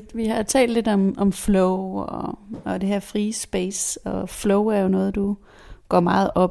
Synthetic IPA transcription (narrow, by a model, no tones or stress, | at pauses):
ʋihɑ̈t͡sʰɛ̰ːld̥le̝d̥ɒ̽mɒ̽mflɔʊɒɒd̥e̝heɐ̰fʁiːsb̥eːsɒ̽flɔʊæɐjo̝nɔ̽ːð̩ˠd̥u | ɡ̥ɒ̰ːmɑ̈ːð̩ˠɒ̽b